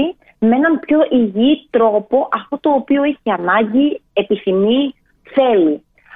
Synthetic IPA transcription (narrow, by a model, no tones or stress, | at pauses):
i | mee̞nɐmpço̞ʔiʝit̪ɾo̞po̞ʔɐft̪o̞t̪o̞ːpio̞eçeɐnɐɲɟie̞piθimi | θe̞li